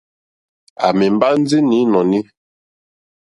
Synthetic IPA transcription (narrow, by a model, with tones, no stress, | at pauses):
a̰˨mɛ˨mba˦n˦d͡zi˦ni˨˦nɔ˨ni˦